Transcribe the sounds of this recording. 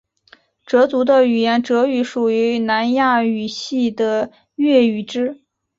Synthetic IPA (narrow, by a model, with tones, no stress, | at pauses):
ʈ͡ʂɤ˧˥t͡su˧˥d̪ə˧y˨˩jɛ˧˥nʈ͡ʂɤ˧˥y˧˩ʂu˨˩y˧˥na˧˥nja˥˩y˨˩ɕi˥˩d̪ə˨ | ɥɛ˥˩y˨˩ʈ͡ʂɻ̩˥